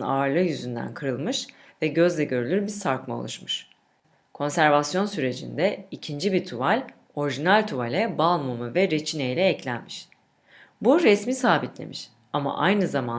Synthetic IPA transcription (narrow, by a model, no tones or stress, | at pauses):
na̰ːɾlˠɯjyzynd̪æ̰nkʰɯɾɯlˠmɯʃ | vɛɟø̞zlʲɛɟø̞ɾylʲyɾbiɾsaɾkmao̰lˠuʃmɯʃ | kʰo̞nsæɾvasjo̞nsyɾe̞d͡ʒḭnd̪ɛicʰind͡ʒibiɾt̪ʰuvalʲ | o̞ɾiʒinalʲt̪ʰuvalʲɛbalˠmumɯvɛɾet͡ʃʰinejlʲɛːclʲænmiʃ | buɾɛsmisaːbit̪lʲḛmʔiʃ | ama̰ʔajnɯzaman